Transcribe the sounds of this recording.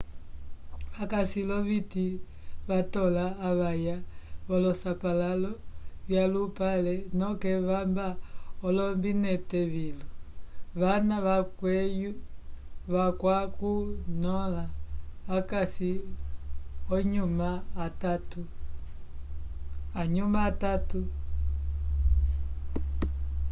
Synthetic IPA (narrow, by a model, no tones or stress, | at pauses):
βakasilɔβiti | βatɔlaːβajaβɔlɔsapalalɔβjalupalɛnɔkɛβambaɔlɔmbinɛtɛβilɔβanaβakwɛju | βakwakunɔlaː | kasi | ɔɲumaːtatu | aɲumaːtatu